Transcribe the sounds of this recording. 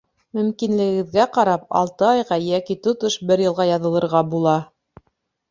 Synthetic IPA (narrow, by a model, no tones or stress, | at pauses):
mɵ̆mkinlɘ̆ɡɘ̆ɡɘ̆ðɡæqɑɾɑp̚ɑ̰lˠt̪ɤɑjʁɑjækit̪ŏt̪oʃbɘɾjɤ̆lˠʁɑjɑðɤ̆lˠɤ̆ɾʁɑbulˠɑ